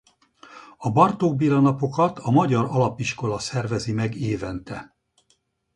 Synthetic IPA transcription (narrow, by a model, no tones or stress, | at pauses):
ɒbɒrt̪oːɡ̚bilɒnɒpo̞kɒt̪ʰɒmɒɟɒɾɒlɒpiʃko̞lɒsɛrvɛzimɛɡeːvɛnt̪ɛ